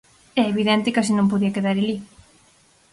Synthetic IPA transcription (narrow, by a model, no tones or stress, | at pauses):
ɛeβiðẽnt̪ɪkasinõmp̬oðiɐkeðaɾeli